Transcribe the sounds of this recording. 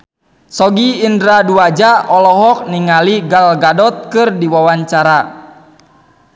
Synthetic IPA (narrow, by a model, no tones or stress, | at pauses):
sɔɡiːndɾaduad͡ʒaɔlɔɦɔk̚niŋaliɡalɡadɔt̪̚kɨrdiwawaɲt͡ʃaɾa